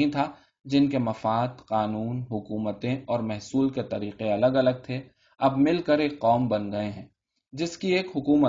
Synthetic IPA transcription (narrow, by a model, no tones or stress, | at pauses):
ĩt̪ʰa | d͡ʒɪnkemɐfaːd̪qaːnuːnɦʊkuːmət̪ẽɔːɾmɛɦsuːlket̪ɐɾiːqeɐləɡɐləɡ̚t̪ʰe | ɐbmɪlkəɾeːkːɔːmbɐnɡɐeɦɛ̃ː | d͡ʒɪskieːkɦʊkuːmə